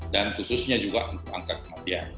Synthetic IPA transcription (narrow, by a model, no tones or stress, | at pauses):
dankusʊsɲad͡ʒuɡaʔunt̪ʊka̰ŋkat̪̚kəmatian